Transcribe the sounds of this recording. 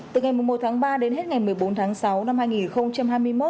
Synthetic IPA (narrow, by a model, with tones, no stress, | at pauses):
t̪ɨ˨˩ŋa˨˩jmu˨˩mo˨˩t̚t̪ʰaː˨˦ŋɓaː˧ɗe˨˦nɦe˦˥t̚ŋa˨˩jmɨ˨˩əjɓo˨˦nt̪ʰaː˨˦ŋsa˨˦wna˧mhaː˧jŋi˨˩nxə˧wŋ͡mt͡ɕa˧mhaː˧jmɨ˧əjmo˦˥t̚